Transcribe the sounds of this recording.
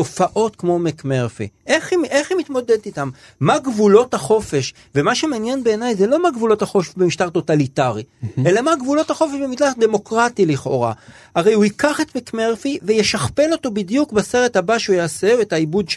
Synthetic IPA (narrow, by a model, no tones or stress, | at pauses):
to̞faʔo̞tkmo̞mekmeʁfḭʔeχimʔeχimit̪mo̞dedt̪it̪amː | aɡvulo̞thaχo̞fe̞ʃ | vemaʃemeanjenbe̞ːnajzelo̞maɡvulo̞taχo̞ffbemiʃtaʁt̪o̞t̪alitaʁie̞lamaɡvulo̞thaχo̞feʃbemid̪laχd̪emo̞kʁatiliχo̞̰ʁa̰ | aʁe̞juikaχe̞t̪mekme̞ʁfivejeʃaχpe̞lo̞t̪o̞bidijukbase̞ʁethabaʃeujaːseetaibudʃ